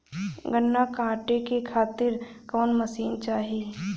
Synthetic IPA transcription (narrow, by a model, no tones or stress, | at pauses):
ɡənːakãːʈekekʰaːt̪ɪɾkɔːnməsiːnt͡ʃaːɦi